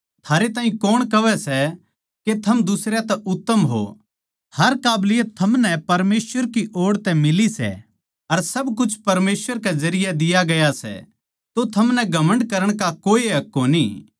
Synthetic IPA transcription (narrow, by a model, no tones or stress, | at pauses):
t̪ʰaːɾet̪aːɦĩkɔːɽ̃kɐʋɛsɛ | ket̪ʰɐmd̪ʊsɾjat̪ɛʊt̪ːəmɦo̰ | hɐɾkaːblɪjət̪ʰɐmnɛpɐɾmeːsʋəɾkiʔoːɽt̪ɛ̃mɪlisɛ̰ | ɐɾsɐbkʊt͡ʃʰpɐɾmeːsʋəɾk̬ezɐɾɪjad̪ɪjaɡɐjasɛ̰ | t̪ot̪ʰɐmnɛɡʱɐmə̃ɳɖkɐɾəɽ̃kakoːiɦɐkːoniː